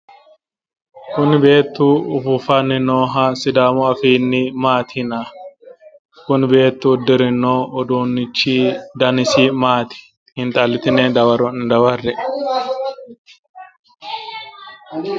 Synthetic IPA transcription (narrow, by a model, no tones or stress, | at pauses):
kʊnbe̞ːt̪ːuːʊfʊfɐnːɪnoːɦasɪd̪aːmʊɐfiːnːɪmaːt̪ʰɪna | kʊnbe̞ːt̪ːuːd̪ɪɾɪnːoːɔd̪uːnːɪt͡ʃːiːd̪ɐnɪsiːmaːt̪ɪ̥ | hɪnt̪ʼɐlːɪt̪ɪneːd̪ɐwɐɾɔnd̪ɐwɐrːɛ